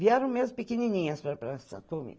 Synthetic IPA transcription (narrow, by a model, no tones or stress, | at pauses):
viaɾɐ̃w̃mezpekeninĩɲɐspɐpɾasɐ̰komḭ